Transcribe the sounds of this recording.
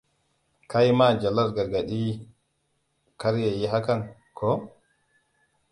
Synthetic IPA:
kajmad͡ʒalaɾɡaɾɡaɗi | kaɾjɛjɛɦakan | kʰɔ

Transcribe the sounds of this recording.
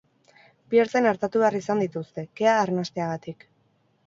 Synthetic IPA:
pieɾt͡senaɾt̪at̪uβearisand̪it̪ust̪e̞ke̞aːɾnast̪e̞aɣ̞at̪ik

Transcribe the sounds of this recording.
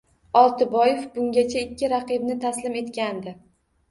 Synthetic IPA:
ɒlˠt̪ɪbɒjefbʊŋɡʲat͡ʃʰaɪkʲʰːɪɾaqɨbnɪt̪ʰaslɪme̞t̪kʲand̪ɪ

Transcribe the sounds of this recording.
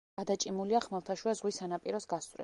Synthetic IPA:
ad̪at͡ʃʼimuliaχmɛlˠt̪ʰaʃwuazʁwisanapʼiɾɔsɡast̪ʼɾɛ̰

